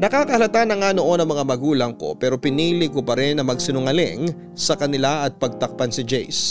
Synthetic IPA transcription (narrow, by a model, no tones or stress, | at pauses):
nɐkaːkɐhɐlɐt̪anːɐŋano̞ʔo̞nɐŋmɐŋamɐɡuːlɐŋko̞̰pɛːɾo̞pɪniːlɪkopɐɾɪnːɐmɐɡsɪnʊŋɐlɪ̰ŋ | sɐkɐnɪlaɐt̪̚pɐɡ̚t̪ɐk̚pɐnsɪd͡ʒɛjs